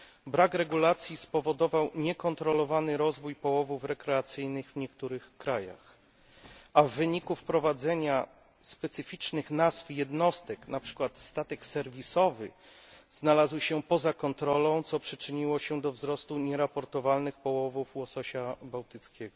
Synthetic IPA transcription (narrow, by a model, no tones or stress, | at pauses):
bɾakɾɛɡulat̪sʲjispɔvɔd̪ɔvawɲɛkɔnt̪ɾɔlɔvanɘɾɔzvujpɔwɔvufɾɛkɾɛat̪sɘjnɘɣvɲɛk̚t̪uɾɘxkɾaja̰x | avːɘɲikufpɾɔvad̪zɛɲa | spɛt̪sɘfʲit͡ʂnɘxnazfjɛd̪nɔst̪ɛknapʂɘ̥kwat̪st̪at̪ɛksɛɾvʲisɔvɘ̰ | z̥nalazwɕɛpɔzakɔnt̪ɾɔlɔ̃w̃t̪sɔpʂɘt͡ʂɘɲiwɔɕɛd̪ɔvzɾɔst̪uɲɛɾapɔɾt̪ɔvalnɘxpɔwɔvufwɔsɔɕabawt̪ɘt̪skʲɛɡɔ